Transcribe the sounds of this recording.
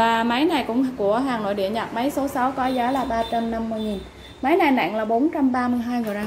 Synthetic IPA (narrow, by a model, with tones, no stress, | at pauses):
vaː˨˩ma˨˦jna˨˩jkʊ̰˧˥ŋ͡mku˧˩əɦaː˨˩ŋno̰˧˨jɗḭ˧˩əɲa˨˩t̚ma˨˦jso˨˦sa˨˦wkɔ˨˦zaː˨˦laː˨˩ɓaː˧t͡ɕa˧mna˧mːɨ˧˨ŋi˨˩n | ma˨˦jna˨˩jna̰ː˧˨ŋlaː˨˩ɓo˨˦nt͡ɕa˧mɓaː˧mɨ˧əjɦaː˧jŋɨ˧˩aː˧